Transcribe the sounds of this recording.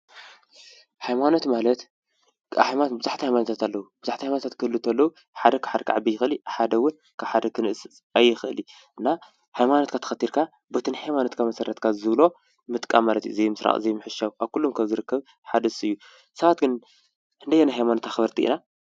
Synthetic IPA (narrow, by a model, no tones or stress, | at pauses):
hajmano̞t̪malɐt̪ | bɨzuħt̪ihajmanot̪ʰat̪alːɐwub̥ɨzuħt̪ihajmanot̪ʰat̪kʰɨɨlːɨt̪ʰɐlːɐwu | ħad̪ɐkʰḁħad̪ɐkʰaʕabijːɪxɨliħad̪ɐwʊn | kʰaβħad̪ɐkʰɨnɨʔɨs | ajːɪxɨʔɨli | ʔɨnːa | hajmano̞t̪̚kʰat̪ʰɐ̥xɐt̪ːiɾkʰa | bɐt̪ʰɨnħajmanot̪kʰamɐsɐɾɐt̪kʰazɨβlo̞ | mɨt̪ʼkʼa̰mːalɐt̪juɨzejmɨsɾa̰χʼɨ̰zejmɨħɨʃawʔaβkulːumkʰɐmzɨɾɨkːɐβ | ħad̪ɐsɨjːu | sɐβat̪ɡɨn | ɨnd̪ɐjanajɦajmano̞t̪ʰaxβɐɾt̪ʰiʔḭna